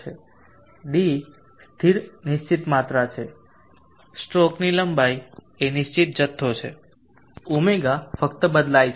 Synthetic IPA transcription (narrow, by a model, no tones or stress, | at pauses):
e | ɖi | st̪ʰiɾnɪʃt͡ʃit̪mat̪ɾat͡ʃʰe | sʈɾɔkniləmbaj | enɪʃt͡ʃit̪̚d͡ʒət̪ʰːot͡ʃʰe | umeɡafəkt̪əbəd̪lajt͡ʃʰ